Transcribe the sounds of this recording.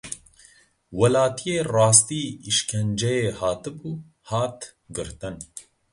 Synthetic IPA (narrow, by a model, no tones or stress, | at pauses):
wɐlaːt̪ʰijeːrɑːst̪iːiʃkʰɛnd͡ʒɛjeːhaːt̪ɨbuː | haːt̪ | ɡɨɾt̪ɨn